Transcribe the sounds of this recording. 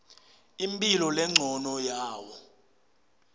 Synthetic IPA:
impʼilɔlɛŋ͡ǀʱɔnɔjaːwɔ

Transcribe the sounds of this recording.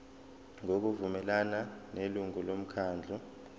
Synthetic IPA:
ŋok̬uvumɛlananeluŋulom̩kʰaːnd͡ɮʱɔ

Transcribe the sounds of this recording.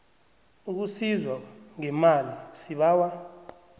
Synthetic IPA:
uk̬usizwaŋɛmalisiɓaːwa

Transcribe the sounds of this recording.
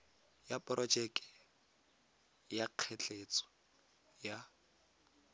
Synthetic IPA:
japʼrɔd͡ʒɛkʼɛ̥ | jaq͡χʰɛt͡ɬʼet͡sʼɔ̥ | ja

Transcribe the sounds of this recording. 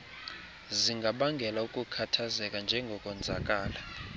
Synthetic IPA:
ziŋɡʱaɓaŋɡʱɛlaukʼukʰatʰazɛkʼand͡ʒʱɛŋɡʱɔkʼɔnd͡zʱakʼaːla

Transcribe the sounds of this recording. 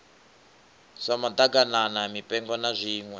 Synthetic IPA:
samad̪aɡananamipʼɛŋɡɔnazʷiːŋwɛ

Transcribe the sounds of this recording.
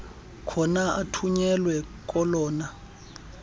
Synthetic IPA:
kʰɔnaʔatʰuɲɛlwɛk̬ʼɔlɔːna

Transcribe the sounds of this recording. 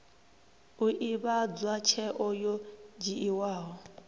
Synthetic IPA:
uʔiβad͡zwat͡ʃʰɛʔɔjɔd͡ʒiʔiwaːɦɔ

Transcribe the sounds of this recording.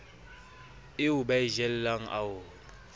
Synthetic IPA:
ɪʊbaɪʒɛl̩laŋ̩ʔa̰ʊ

